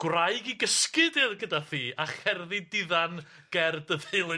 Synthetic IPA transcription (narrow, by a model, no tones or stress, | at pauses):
ɡ̥wraɨɡiɡəskɨdɛɡədaθiːaχɛrðidɪðan | ɡ̥ɛrdəðɨl